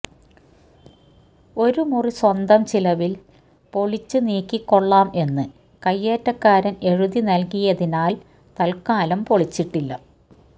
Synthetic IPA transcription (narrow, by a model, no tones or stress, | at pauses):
o̞ɾumuriswɐnd̪ɐmt͡ɕilɐʋil | po̞ɭit͡ɕːɨniːkːikːo̞ɭːaːme̞nːɨ | kɐjːeːtːɐkːaːɾɐne̞ɻuðinɐlkijɐðinaːl | t̪ɐlkaːlɐmpoɭit͡ɕːiʈːilːɐ